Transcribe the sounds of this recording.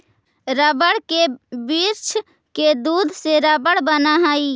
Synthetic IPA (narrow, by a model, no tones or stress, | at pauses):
ɾəbəɽkebiɾt͡ʃʰ | ked̪ud̪ʱseɾəbəɽbənaɦai